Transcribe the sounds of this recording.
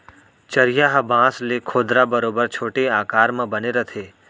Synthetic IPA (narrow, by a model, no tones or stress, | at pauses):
t͡ʃɐɾɪjaɦɐbãːslekʰoːd̪ɾabɐɾoːbəɾt͡ʃʰoːʈeaːkaːɾmə̃bɐneɾɐt̪ʰeː